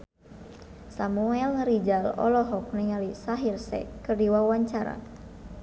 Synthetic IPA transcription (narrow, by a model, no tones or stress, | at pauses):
samuɛlŋəɾid͡ʒalɔ̰lɔɦɔk̚nɛŋalisaɦirsɛ̰kɨrdiwawaɲt͡ʃaɾa̰